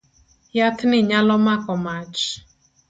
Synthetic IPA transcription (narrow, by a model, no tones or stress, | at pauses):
jatnɪɲalɔmakɔmat͡ʃ